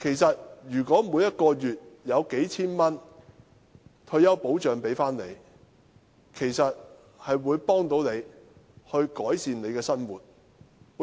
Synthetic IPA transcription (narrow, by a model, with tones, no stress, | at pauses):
kʰe˨˩jsɐ˨t̚jyː˨˩kʷɔː˨˥muː˨˧jɐ˥t̚kɔː˧jyː˨t̚jɐ˨˧wke˨˥jt͡sʰiː˥nmɐ˥n | t̪ʰɵ˧ɥjɐ˥wpo˨˥wt͡ʃœː˨ŋpe˨˥jfaː˥nne˨˧j | kʰe˨˩jsɐ˨t̚ | hɐ˨jwuː˨˧jpɔː˥ŋt̪o˨˥wne˨˧jhɵ˧ɥkɔː˨˥jsiː˨nne˨˧jkɛː˧sɐ˥nwuː˨˩t̚